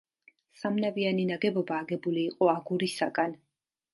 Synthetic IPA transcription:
samnavianinaɡɛbɔbaːɡɛbuliːqʼɔaɡuɾisaɡan

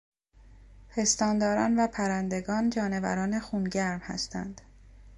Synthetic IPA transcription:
pʰe̞st̪ɒːnd̪ɒːɾɒ̰ːnvæpʰæɾænd̪e̞ɡɒːnd͡ʒɒːne̞væ̰ɾɒːne̞xuːnɟæɾmhæ̰st̪ʰæ̰nd̪̥

